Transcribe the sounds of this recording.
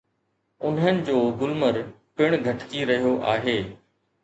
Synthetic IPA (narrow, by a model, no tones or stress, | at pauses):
ʊn̤ɦənɪ̆d͡ʑoːɡʊlməɾ | pɪɽ̃ɡʱɐʈkiɾɐɦijoʔaːɦeː